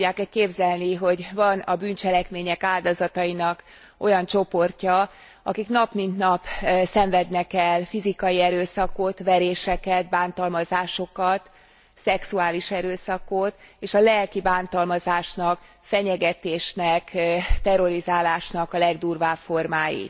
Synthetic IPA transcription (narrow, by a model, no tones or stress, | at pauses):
aːkɛkeːbzɛlniɦo̞ɟvɒnɒbynt͡ʃɛlɛkmeːɲɛkaːld̪ɒzɒt̪ɒjinɒk | o̞jɒnt͡ʃo̞po̞rcɒ | ɒ̰kiknɒpmint̪nɒpsɛɱvɛd̪nɛkɛlfizikɒjiɛɾøːsɒkot̪ʋɛɾeːʃɛkɛt̪̚baːnt̪ɒlmɒzaːʃo̞kɒt̪ | sɛksuaːliʃɛɾøːsɒkot̪eːʃɒlɛlkibaːnt̪ɒlmɒzaːʃnɒk | fɛɲɛɡɛt̪eːʃnɛkt̪ɛɾo̞ɾizaːlaːʃnɒkɒlɛɡd̪uːrvaːpfo̞rmaːjḭt̪